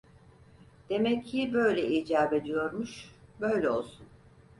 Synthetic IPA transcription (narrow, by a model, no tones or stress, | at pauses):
d̪̥e̞mɛcʰːibø̞jlʲɛiːd͡ʒaːbe̞d̪ijo̞ɾmuʃbø̞jlʲɛo̞lˠsun